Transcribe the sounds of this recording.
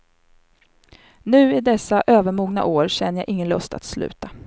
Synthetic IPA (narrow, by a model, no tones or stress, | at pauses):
nʉ̟ːɪd̪ɛsːaʔøːvəɾmuːɡna̰ʔoːɾɕɛnːəjaʔɪŋːənlœ̰st̪a̰t̪slʉ̟ːt̪a